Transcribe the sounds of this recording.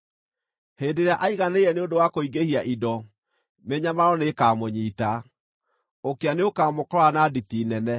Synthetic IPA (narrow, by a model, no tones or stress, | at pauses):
heːndeɾeaʔaiɣaneɛneodowakoiɡehiaʔidɔ | meɲamaɾɔnekaːmoɲiːta | okeaneokaːmokɔɾɔanaditinɛnɛ